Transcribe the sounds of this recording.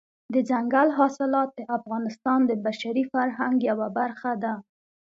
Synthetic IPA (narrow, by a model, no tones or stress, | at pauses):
d̪əd͡ʒaŋɡalɦɑsɪlɑt̪̚d̪əʔafɣɑnɪst̪ɑnd̪əbaʃaɾifaɾɦaŋɡjawabaɾxad̪a